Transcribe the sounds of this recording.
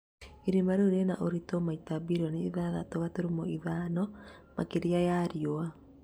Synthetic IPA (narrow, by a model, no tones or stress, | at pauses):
iɾemaɾoɾenaʔoɾitomaitabiɾɔneːðaðatoβatoɾumoiðaːnɔ | makeɾiajaɾjoa